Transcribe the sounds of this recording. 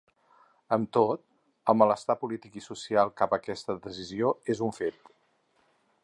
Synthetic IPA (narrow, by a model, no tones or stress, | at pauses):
əmt̪ot̪̚ | əlˠmələst̪apulit̪ikisusialˠkapəkɛst̪əðəzizioezuɱfet̪